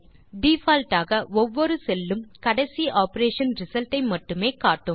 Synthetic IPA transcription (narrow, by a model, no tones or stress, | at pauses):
ɖiːfaːlʈaːɣɐʔɔʋːɔɾɯsɛlːɯmkɐɽɐɪsiʔaːpɐɾeːʂɐnɾɪsɐlʈɐɪmɐʈːɯmeːkaːʈːɯm